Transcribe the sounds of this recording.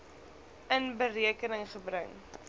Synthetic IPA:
ənbəriəkənəŋχəbrəŋ

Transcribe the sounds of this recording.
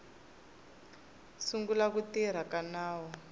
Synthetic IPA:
suŋɡulakutiɾ̤akanaːwɔ

